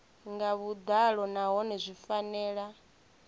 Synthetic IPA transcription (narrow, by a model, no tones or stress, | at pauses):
ŋɡaβud̪aɺɔnaɦɔnɛzʷifanɛːɺa